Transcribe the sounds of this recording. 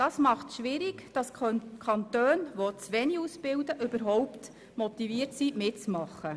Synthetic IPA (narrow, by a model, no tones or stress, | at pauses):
d̥ɑsmɑχtʃʋɪɾɪɡd̥ɑskʰɑnt̪øːnʋot͡sʋɛniusb̥ɪwdəʔɵbəɾɦɔʊpt̪ | mɔt̪iviːəɾtsimɪtt͡smɑχːə